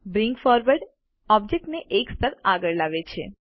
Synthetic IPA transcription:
bɾĩŋɡfɔɾʋəɾɖ | ɔb̚d͡ʒek̚ʈneʔekst̪əɾaɡəɭlaʋet͡ʃʰḛ

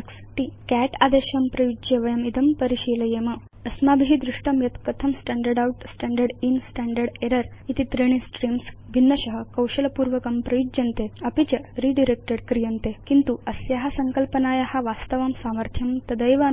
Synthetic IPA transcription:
ksʈ̪ikæʈa̰d̪eɕɐmpɾɐjud͡ʒeʋɐjɐmid̪ɐmpəɾiɕilɐjemɐ | ɐsmabiɦid̪ɾuʂʈɐmjɐt̪kət̪ʰɐmsʈæɳɖəɾɖawʈsʈːɳɖəɾɖinsʈæɳɖəɾɽeɾəɾ | it̪it̪ɾiɽ̃isʈɾiːms | bʱinːɐɕɐɦəkɐwɕɐlpuɾʋəkɐmpɾɐjud͡ʒjɐnt̪eɐpit͡ɕɐɾiɖiɾek̚ʈəɽkɾijənt̪ekint̪uɐsjaɦasɐŋkəlpənaːjahaʋast̪əʋɐmsaməɾt̪ʰjɐmt̪ɐd̪əjʋa

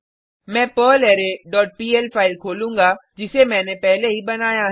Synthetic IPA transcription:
mɛ̃ːpəːleːɾeɖɔːʈ̚piːelpʰaːɪlkʰoːlũːŋɡad͡ʒɪsemɛ̃ːnepɛɦleɦibɐnaːja

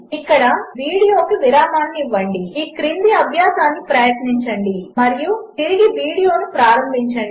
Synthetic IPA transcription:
ikːɐɽɐʋiːɽijoːkiʋiɾaːmaːnːiiʋːɐɳɖiiːkɾind̪iɐbʱjaːsaːnːipɾɐjɐt̪niɲt͡ʃɐɳɖimɐɾijut̪iɾiɡiʋiːɽijo̞ːnupɾaːɾɐmbʱiɲt͡ʃɐɳɖi

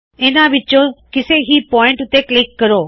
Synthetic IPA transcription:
ɪnaʋɪt͡ʃokɪseɦipɔːɪ̃ɳʈʊt̪eklɪkːɐɾoː

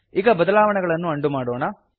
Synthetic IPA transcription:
iːɡɐbɐðɐlaːʋɐɳɐɣɐɭɐnːuɐɳɖumaːɽoːna

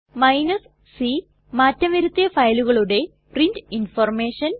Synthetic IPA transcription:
mɐjnɐs | si | maːtːɐmiɾut̪ːijɐfɐjluɣɐɭuɽe̞ | prindinfɐrmeːʂɐn

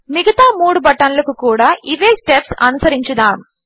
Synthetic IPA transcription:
mɪɣɐt̪aːmuːɽɯbɐʈːɐnɐlɯkːɯkːuːɽɐʔɪʋeːsʈɛpsɐ̰nɯsɐɾɪɲt͡ʃɯðaːm

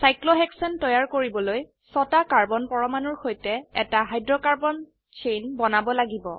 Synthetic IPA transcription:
sajklɔɦɛksɔntɔjaɹkoɹibɔloj | sɔtakaɹbɔnpɔɹɔmanɔɹxojtɛɛtaɦajdɹɔkaɹbɔn | t͡ʃʰejnbɔnabɔlaɡibɔ

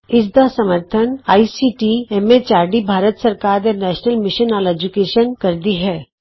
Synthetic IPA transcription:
ɪd͡ʒd̪asɐməɾt̪ʰənaːisiːʈiemet͡ʃaːɾɖibʱaːɾət̪sɐɾkaːɾjɔɾnɛːʃnəlmɪʃənaːled͡ʒukeːʃənkɐɾd̪iɦɛː

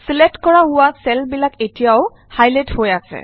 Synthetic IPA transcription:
slɛtkɔɹaɦʊwasɛlbilaketijaʊ | hajlɛthojasɛ̰

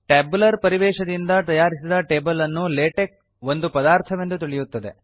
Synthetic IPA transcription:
ʈeːbulɐɾpɐɾiʋɛːʃɐd̪ind̪ɐt̪ɐjaːɾisid̪ɐʈeːbɐlɐnːuleːʈek̚ | ʋo̞nd̪upɐd̪aːɾt̪ʰɐʋe̞nd̪ut̪̬iɭijut̪ːɐd̪e̞̰

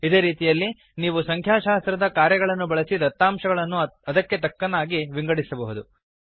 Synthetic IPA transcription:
id̪e̞ːɾiːt̪ijɐlːi | niːʋusɐŋkʰjaːʃaːst̪ɾɐd̪ɐkaːɾjɐɡɐɭɐnːubɐɭɐsid̪ɐt̪ːaːmʃɐɡɐɭɐnːuɐd̪ɐkːe̞t̪ɐkːɐnaːɡiʋiŋɡɐɽisɐbɐɦud̪u

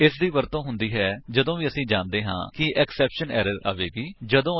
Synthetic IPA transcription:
ɪsd̪iːʋəɾt̪õːɦʊnd̪iːɦɛːd͡ʒəd̪õːʋiːəsĩːd͡ʒaːnd̪eːɦã̰ːkɪʔɛksɛːpʃənɛ̰ːɾəɾa̰ːʋeːɡiːd͡ʒəd̪õː

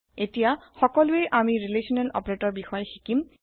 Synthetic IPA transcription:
etijaxɔkɔlʊeʔamiɹilesɔnɛlʔɔ̰pɔɹeʈɔɹbixɔjxikim

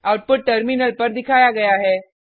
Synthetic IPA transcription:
auʈ̚puʈ̚ʈːəɾminəlpəɾd̪ɪkʰajaɡəjaɦeː

